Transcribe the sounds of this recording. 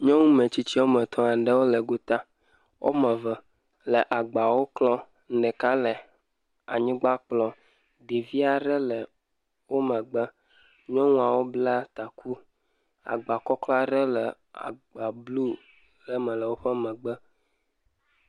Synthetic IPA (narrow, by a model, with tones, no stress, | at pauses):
ɲɔ̃˦ŋũ˦mɛ̃˨t͡ɕi˦t͡ɕi˦o˦mɛ̃˨t̪ʰɔ̃˦a˨ɖə˦wo˦lə˨ɡo˦t̪a˦ | wʔo̰˦mɛ˨və˨ | lə˨ʔa˨ɡ͡ba˨wo˦klɔ˦ | n̩˦ɖɛ˨ka˦lə˨ | a˨ɲĩ˦ɡ͡ba˦k͡plɔ˨ | ɖe˨vi˦a˨ɖə˦lə˨ | wo˦mə̃˨ɡ͡bə˦ | ɲɔ̃˦ŋũ˦a˨wo˦bla˦t̪a˨kʰu˦ | a̰˨ɡ͡ba˨kɔ˦klɔ˦a˦ɖə˦lə˨ | a̰˨ɡ͡ba˨blu˦ | ɖɛ˦mɛ̃˨lə˨wo˦ɸɛ˦mɛ̃˨ɡ͡bə˦